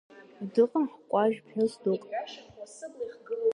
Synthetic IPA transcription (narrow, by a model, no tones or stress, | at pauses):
dɨqʼəmħkʷʼɑʒpʰħʊzdoːkʼ | χɡ